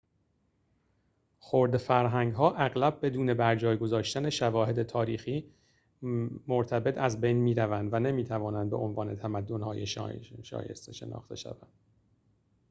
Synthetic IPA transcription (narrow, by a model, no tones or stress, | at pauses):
xoɾd̪efæɾɦæŋɡɦɒːʔæɣlæb̚ːe̞d̪uːne̞bæɾd͡ʒɒːjɡo̞zɒːʃt̪æne̞ʃævɒːhe̞d̪e̞t̪ʰɒːɾiːxiː | moɾt̪ʰæbe̞t̪ʰæzbe̞jnmiːɾævænd̪væne̞miːt̪ʰævɒːnænd̪̚be̞ʔonvɒːne̞t̪ʰæmæd̪ːonhɒ̰ːjeʃʃɒ̰ːjḛst̪eʃe̞̰nʔɒ̰ːχt̪e̞̰ʃæ̰væ̰nd̪̥